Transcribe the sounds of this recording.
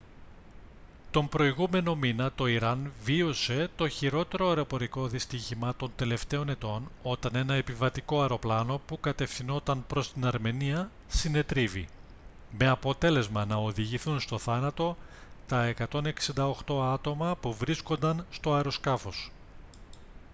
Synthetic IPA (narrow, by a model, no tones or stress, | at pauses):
t̪o̞mpɾo̞iɣume̞no̞minɐt̪o̞iɾɐnvio̞se̞t̪o̞çiɾo̞t̪e̞ɾoɐeɾo̞po̞ɾiko̞ðist̪içimɐt̪o̞nt̪e̞le̞ft̪e̞o̞ne̞t̪o̞no̞t̪ɐne̞nɐe̞pivɐt̪iko̞ɐɾo̞plɐno̞pukɐt̪e̞fθino̞t̪ɐnpɾo̞st̪inɐɾme̞niɐ | sine̞t̪ɾivḭ | me̞ɐpo̞t̪e̞le̞zmɐnɐo̞ðiʝiθunst̪o̞θɐnɐt̪o̞t̪ɐe̞kɐt̪o̞ne̞ksind̪ɐo̞xt̪o̞ɐt̪o̞mɐpuvɾisko̞nd̪ɐnst̪o̞ɐɾo̞skɐfo̞s